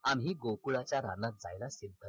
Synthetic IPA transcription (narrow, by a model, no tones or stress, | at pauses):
amɦiːɡokuɭat͡ɕjaɾanat̪̚d͡zajlasid̪ʱə